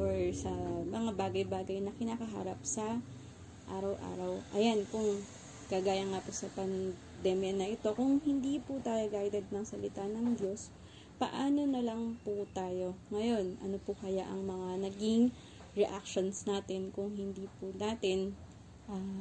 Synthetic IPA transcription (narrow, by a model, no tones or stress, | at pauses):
ʔoɹsɐmɐŋabaːɡɐjbaːɡɐjnɐkɪnaːkɐɦa̰ːɾɐp̚sɐ | ʔaːɾɐwʔa̰ːɾɐwʔɐjankʊŋ | kɐɡaːjɐŋapʊsɐpɐn | d̪ɛːmjɐnɐʔɪt̪o̞kʊŋhɪnd̪iːpʊt̪aːjoɡajd̪ɛd̪̚nɐŋsɐlɪt̪anɐŋd̪jo̞s | pɐʔaːno̞nɐlɐŋpʊt̪aːjo̞ŋɐjo̞nʔɐ̰nopʊkɐjaʔɐ̰ŋmɐŋanɐɡɪŋ | ɹɛʔak̚ʃo̞nsnaːt̪ɪnkʊŋhɪnd̪iːpʊnaːt̪ɪn | ʔa